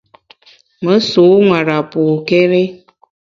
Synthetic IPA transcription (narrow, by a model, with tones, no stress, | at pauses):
mə˨˦so˨˦ŋwa˨ɾa˨poː˨kɛ˦ɾe˦